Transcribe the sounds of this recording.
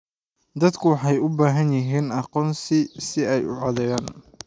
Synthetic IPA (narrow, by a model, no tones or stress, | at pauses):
d̪ɐd̪kʰʊwɑħɑjʊbaːɦɐnjɪɦiːnɑqɔːnsɪsɪɛjʊ̰ʕɔðɛjaːn